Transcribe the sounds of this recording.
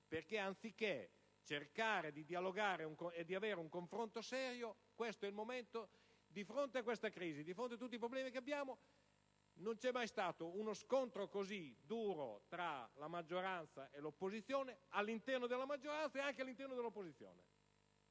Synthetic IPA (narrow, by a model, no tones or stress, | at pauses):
perkeant̪sikːe | t͡ʃerkaːɾed̪id̪ialoɡaːɾeuŋkoed̪ːiaveːɾeuŋkoɱfɾont̪osɛːɾjo | kwest̪oɛilmomɛnt̪o | d̪ifɾont̪eakːwest̪akɾiːzid̪ifɾont̪eat̪̬ːut̪ːip̬ɾoblɛːmikeabːjaːmo | nont͡ʃɛmːajst̪aːt̪ounoskont̪ɾokozid̪uːɾo̰t̪ɾalamad͡ʒːoɾant̪saʔelopːozit̪sːjoːnealːint̪ɛrnod̪elːamad͡ʒːoɾant̪saeaŋkealːint̪ɛrnod̪elopːozit̪sjo̰ːnḛ